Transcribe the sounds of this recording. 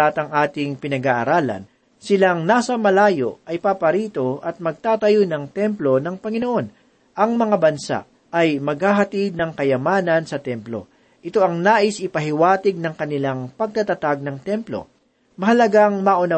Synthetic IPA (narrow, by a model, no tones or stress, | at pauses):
at̪ɐŋʔaːt̪ɪŋpɪnɐɡaʔɐɾaːlɐ̰n | sɪlaŋnaːsɐmɐlaːjo̰ɐjpaːpɐɾiːt̪o̞ʔɐt̪̚mɐɡ̚t̪aːt̪ɐjonɐŋt̪ɛmplo̞nɐŋpɐŋɪnoʔo̞n | ʔɐŋmɐŋabɐnsa̰ | ʔɐjmɐɡ̚haɦɐt̪id̪̚nɐŋkɐjɐmaːnɐnsɐt̪ɛmplo̞̰ | ʔɪt̪o̞ʔɐŋnaːʔɪsʔɪpɐɦɪwaːt̪ɪɡ̚nɐŋkɐnɪlaŋpɐɡ̚t̪ɐt̪ɐt̪aɡ̚nɐŋt̪ɛmplo̞̰ | mɐɦɐlɐɡaŋmaʔʊnɐ